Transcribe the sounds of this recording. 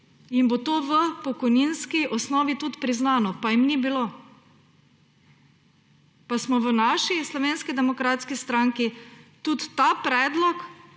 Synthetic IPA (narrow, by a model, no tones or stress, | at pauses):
inbot̪oːʋəpɔkɔjninskiʔɔsnɔːʋit̪ut̪pɾiznaːnɔpajimnibilo | pasmɔʋənaʃislɔʋeːnskid̪ɛmɔkɾat̪skist̪ɾaːŋkit̪ut̪ːapɾɛːd̪lɔk